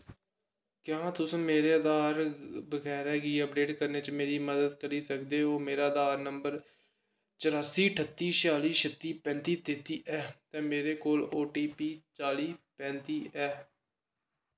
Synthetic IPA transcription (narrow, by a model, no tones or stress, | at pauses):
kjãːt̪ʊsənmeːɾeːəd̪aːɾbəɡɛːɾɛːɡiːəpɖeːʈkəɾneːt͡ʃmeːɾiːməd̪əd̪kəɾiːsəkd̪eːɦoːmeːɾaːəd̪aːɾnəmbəɾ | t͡ʃəɾaːsiːʈʰət̪ːiːt͡ʃaːliːʃət̪iːpɛ̃ːnt̪iːt̪eːt̪iːʔɛːt̪ɛ̃ːmeːɾeːkoːloːʈiːpiːt͡ʃaːliːpɛ̃ːnt̪iːɛː